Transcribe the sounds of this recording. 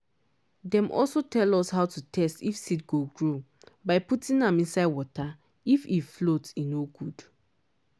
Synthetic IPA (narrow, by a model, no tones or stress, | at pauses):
dɛ̃mʔɔ̰lsotʰɛlɔshaʊtutʰɛstifsit̚ɡoɡɹo | baɪputĩnãmĩnsaɪd̚wɔta | ififlotsinoɡud̥